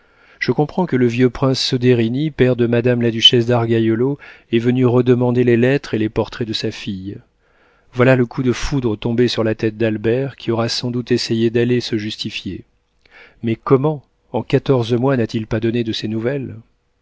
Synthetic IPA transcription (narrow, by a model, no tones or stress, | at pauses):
ʒ̥əkɔ̃pχɑ̃kələvjøpχɛ̃sːɔd̪eʁinipɛʁd̪əmad̪amlad̪yʃɛsd̪aʁɡajɔloɛvənyʁəd̪əmɑ̃d̪elelɛt̪χelepɔʁt̪χɛd̪əsafij | vwalaləkʰud̪əfud̪ʁət̪ɔ̃besyʁlat̪ɛt̪̚d̪albɛʁkʲʰiɔʁasɑ̃d̪ut̪esejed̪alesəʒyst̪ifje | mɛkɔmɑ̃ | ɑ̃kat̪ɔʁzmwanat̪ilpad̪ɔned̪əsenuvɛl